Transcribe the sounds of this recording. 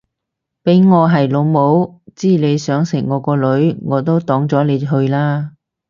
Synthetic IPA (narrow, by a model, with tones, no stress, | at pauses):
pe˨˥jŋɔː˨˧ɦɐ˨˩jlo˨˧wmo˨˥wt͡siː˥˩le˨˧jsœː˨˥ŋsɪ̰˨˩ŋːɔː˨˧kɔː˧lɵ˨˥ɥŋɔː˨˧t̪o˥wt̪ɔː˨˥ŋt͡sɔː˨˥le˨˧jɦɵ˧ɥlaː˥